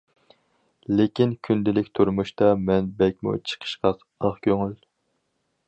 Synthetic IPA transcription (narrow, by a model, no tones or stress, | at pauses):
lɪkʲinkʲʰynd̪ɪlɪkʲt̪ʰuɾmuʃt̪ɑmɛnbɛk̚ʲmṵt͡ʃʰə̥qʰə̥ʃqɑ | əχkʲʰøŋyl